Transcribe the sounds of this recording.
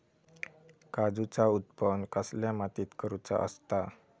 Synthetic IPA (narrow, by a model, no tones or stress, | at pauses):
kad͡zut͡saut̪pənkəsljãmat̪it̪kəɾut͡sa̰ʔə̰st̪a